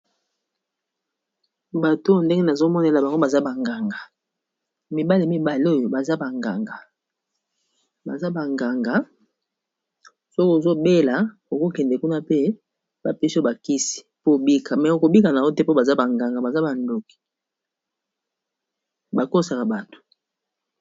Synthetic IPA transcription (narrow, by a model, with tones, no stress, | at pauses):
ba˨to˦nde˦ŋɡe˦na˨zo˦mɔ˦ne˨la˨ba˨ŋɡo˦ba˨za˦ba˨ŋɡa˨ŋɡa˨ | mi˨ba˦li˨mi˨ba˨li˦o˦jo˨ba˨za˦ba˨ŋɡa˨ŋɡa˨ | ba˨za˦ba˨ŋɡa˨ŋɡa˨˦ | so˦ko˨zo˦be˦la˨ | o˨ko˦kɛ˨ndɛ˨ku˦na˦pe˦ | ba˨pe˦si˦o˨ba˨ki˦si̥˨po˦˨bi˦kʰa˨mɛ˨o˨ko˨bi˦ka˨na˨o˦te˦po˦ba˨za˦ba˨ŋɡa˨ŋɡa˨ba˨za˦ba˨ndo˨ki̥˨ | ba˨ko˦sa˨ka˨ba˨to̥˨